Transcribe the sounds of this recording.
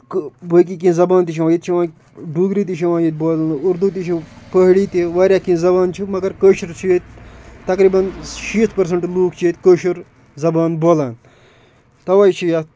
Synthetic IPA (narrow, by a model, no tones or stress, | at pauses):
kbək̬ik̬ĩzɐbaːnt̪iʃʰiʋãjit̪t͡ʃʰiʋãː | ɖuːɡɾiːt̪̬it͡ʃʰiʋãːnjit̪̚boːlnuɾd̪ut̪it͡ʃʰipəɦɽiːt̪iʋaːɾʲjaːkĩzɐbaːnt͡ʃʰimɐɡɐɾkəːʃiɾt͡ʃʰijet̪ʲt̪ɐkɾiːbɐnʃiːt̪ʰpɐɾs̬ɐɳʈluːkʰt͡ʃʰiet̪ʲkəːʃuɾ | zɐbaːnboːlaːn | t̪ɐʋaːjt͡ʃʰija